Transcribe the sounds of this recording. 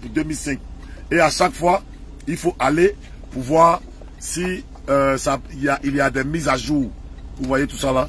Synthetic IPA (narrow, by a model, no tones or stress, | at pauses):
pud̪ømilsɛ̃k̚eaʃakfwa | ilfoʔale | puvwa | si | sailaʔiliad̪ɛmizaʒu | vuvwajet̪usala